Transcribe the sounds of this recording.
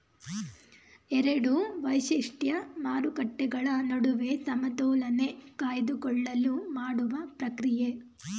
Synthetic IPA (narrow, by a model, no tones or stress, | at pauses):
ɛɾɐɽuʋɐjʃiʂʈjɐmaːɾukɐʈːɛɡɐɭɐnɐɽuʋesɐmɐd̪ɔːlɐne̞kaːjɐd̪ukɔɭːɐlːumaːɽuʋɐpɾɐkɾije